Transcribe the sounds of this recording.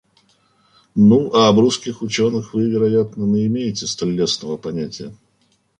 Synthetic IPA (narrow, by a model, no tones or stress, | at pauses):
nuʔɐːbɾuskʲɪxʊt͡ɕonɨxvɨvʲɪɾɐjat̪nənəɪmʲejɪtʲɪst̪ɐlʲːesnəvəpɐnʲætʲɪjə